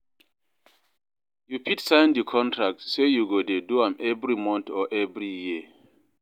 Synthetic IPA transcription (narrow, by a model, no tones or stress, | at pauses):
jupʰitsãɪ̃ndikʰɔ̃ntʰɹak̚tsejuɡodeduãmʔɛvɹimɔ̃ntɔʔɛvɹiji